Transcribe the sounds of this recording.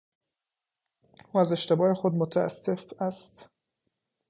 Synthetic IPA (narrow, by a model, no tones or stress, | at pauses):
ʔuːæze̞ʃt̪e̞bɒːexod̪mot̪ʰææ̰sːefæst̪